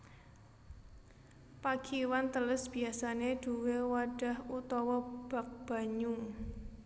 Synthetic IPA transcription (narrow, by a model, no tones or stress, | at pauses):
paɡ̥iwant̪ələsb̥i̤asaneɖ̥uwewaɖ̥a̤hut̪ɔwɔb̥a̤k̚b̥a̤ɲu